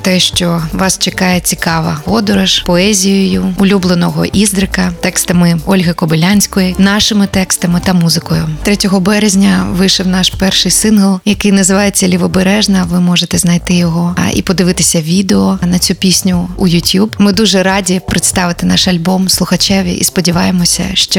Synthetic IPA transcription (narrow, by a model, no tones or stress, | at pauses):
t̪ɛʃt͡ʃɔʋɑst͡ʃɪkɑjɛt͡sʲikɑʋɐ̰ɔd̪ɔɾɐʃpɔɛzʲijɔjʊʊlʲublˠenɔɦɔ̰ʔizd̪ɾɪkɐt̪ɛkst̪ɐmɪɔlʲɦɐkɔbɪlʲanʲsʲkɔjinɑʃɪmɪt̪ɛkst̪ɐmɪt̪ɐmuzɪkɔjʊt̪ɾɛtʲɔɦɔbɛɾezʲnʲɐʋɪʃɛwnɑʃpɛrʃɪjsɪnɦɐlˠjɐkɪjnɐzɪʋɑjet͡sʲːɐlʲiʋɔbeɾɛʒnɐʋɪmɔʒet̪ɛznɐjt̪ɪjɔɦɔḭpɔd̪ɪʋɪt̪ɪsʲɐʋʲid̪eɔnɐt͡sʲupʲisʲnʲʊːjʊtʲjubmɪd̪uʒɛɾɑdʲipɾɪt̪st̪ɑʋɪt̪ɪnɑʃɐlʲbɔmslˠʊxɐt͡ʃɛʋʲḭʔḭspɔdʲiʋɑjemɔsʲɐ̰ʃt͡ʃɔ